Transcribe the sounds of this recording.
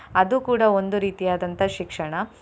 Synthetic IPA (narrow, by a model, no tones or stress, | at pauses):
ɐd̪uːkuːɽɐond̪uɾiːt̪ijaːd̪ɐnt̪ɐʃikʂɐɳɐ